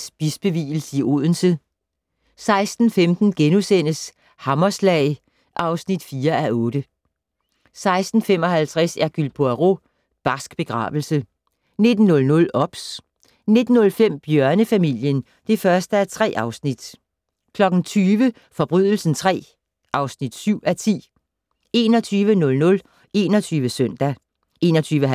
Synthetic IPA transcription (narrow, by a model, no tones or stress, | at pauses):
sb̥isb̥e̝ʋḭːl̩səiʔo̝ð̰ˠn̩sə | sɑ̈ɪsd̥n̩femd̥n̩ɡ̥enusen̰əs | hɑ̈mɐslɛɪ | ʔɑ̈ʊsnid̥fiːɐæʔɔːɾ̥ə | sɑ̈ɪsd̥n̩fem̰ɒ̽ɦælt͡sʰʁɛsæɐɡ̥ylb̥ʰoæʁo | b̥ɑ̈sɡ̥b̥e̝ɡ̥ʁɑ̰̈ːʋl̩sə | ne̝d̥n̩ːɔ̽lnɔ̽lʔɒ̽b̥s | ne̝d̥n̩ːɔ̽lfem̰b̥jœɐnəfæmil̰jən | d̥e̝fɶɐsd̥əæɐt͡sʰʁɛ̰ːʔɑ̈ʊsnid̥ | kʰlɒ̽ɡ̥n̩t͡sʰyːʋə | fɒ̽b̥ʁyð̰ˠl̩sn̩t͡sʰʁɛ̰ː | ʔɑ̈ʊsnid̥syʊ̰æt͡sʰḭː | e̝ːnɒ̽t͡sʰyːʋənɔ̽lnɔ̽l | e̝ːnɒt͡sʰyːʋəsœn̰d̥æ | ʔe̝ːnɒ̽t͡sʰyːʋə